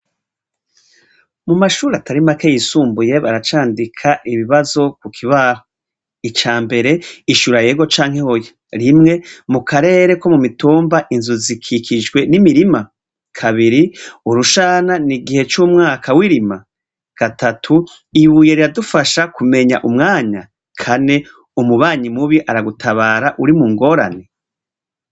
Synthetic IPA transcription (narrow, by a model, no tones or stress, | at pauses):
mumaʃuːɾataɾimakejisuːmbuje̞βaɾat͡ʃaːndikʰaʔiβiβazo̞kukʰiβaɾo | it͡ʃaːmbe̞ɾe̞iʃuɾaje̞ːɡo̞t͡ʃaːŋ̥he̞hojo | ɾimŋe̞mukʰaɾe̞ːɾe̞ko̞mumituːmbaʔinzuzikʰikʰid͡ʒɡwe̞nimiɾima | kʰaβiɾiuɾuʃaːnaniɡihe̞t͡ʃumŋaːkʰawiɾima | ɡ̥atʰatʰu | iβuje̞ɾiɾadufaʃakume̞ɲa̰ʔumŋaːɲa | kʰane̞ | umuβaːɲimuβiʔaɾaɡutʰaβaːɾaʔuɾimuŋɡo̞ːɾa̰ne